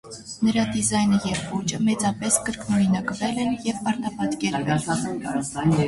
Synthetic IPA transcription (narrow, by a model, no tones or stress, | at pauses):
nəɾɑd̪izɑjnəjɛvvut͡ʃəmɛt͡sɑpɛskəɾknɔɾinəkəvɛlɛnjɛvpɑɾt̪ɑpɑt̪kɛɾvɛ̰nn